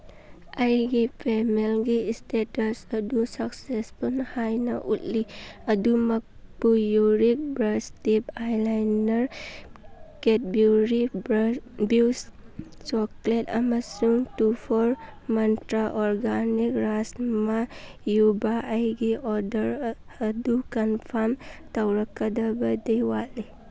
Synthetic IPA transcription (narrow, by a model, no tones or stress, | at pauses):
ajɡipʰemelɡiːstetɐsɐdusɐksespunhajnaʔutliɐdumɐk̚pujuɾik̚bɾastipajlajnɐɾ | ket̚bjuɾi | buws | t͡ʃɔkletɐ̰masuŋtupʰɔɾmɐntɾaʔɔɾɡanikɾasmajubaʔajɡiʔɔdəɾ | ɐdukɐnpʰamtawɾakːadabɐd̪ejwali